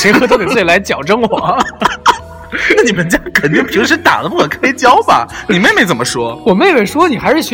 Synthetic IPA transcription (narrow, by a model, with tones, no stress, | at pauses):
ʂe˧˥ɪxt̪o˥ʊte˨˩t͡s̩˥˩t͡ɕi˨˩la˧˥ɪt͡ɕjɑ˨˩ʊʈ͡ʂɤ˥ŋwɔ˨˩ | na˥˩ni˨˩mə˧˦nt͡ɕja˥kʰə˨˩nt̪i˥˩ŋp̩ʰ˨˩˥ʂɻ̩˥t̪a̰˨˩d̪ə˦p̬u˥kʰə˨˩kʰa˥ɪt͡ɕjɑ˥ʊbɐ̰˨˩ni˨˩me˥˩ɪme˥˩ɪt͡sə˨˩mə˦ʂwɔ˥wɔ˨˩me˥˩ɪme˥˩ɪʂwɔ˥ni˨˩xa˧ɪʂɻ̩˥˩ɕ